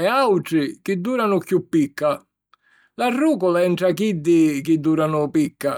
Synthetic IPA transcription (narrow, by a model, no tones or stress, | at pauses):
ɛawʈ̪ɾɪkɪd̪ːuːɾanʊkjupːikːa | larːuːkɔlaɛɳʈɾakid̪ːɪkɪd̪ːuːɾanʊpikːa